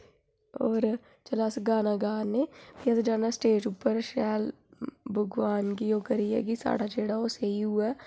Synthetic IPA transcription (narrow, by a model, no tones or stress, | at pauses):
ɔːɾ | t͡ʃəlaːsɡaːnaːɡaːnːeːpiɐsed͡ʒaːnːaːsʈeːd͡ʒuːpːəɾʃɛːl | bʱʊɡʋaːnkijoːkəɾiɛ̰ːkisa̰ːɽaːd͡ʒeːɽaoːseiɦʊaː